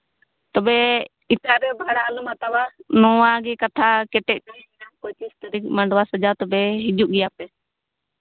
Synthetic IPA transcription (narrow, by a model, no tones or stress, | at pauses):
t̪ɔbɛ | it̪aɾɛbʱaɽaːlumat̪awanɔwaɡɛkat̪ʰakɛʈɛc̚ˀdɛɛnakojt̪ist̪əɾik̚maɳɖwasəd͡ʒat̪ɔbɛɦid͡ʒuʔɡɛjapɛ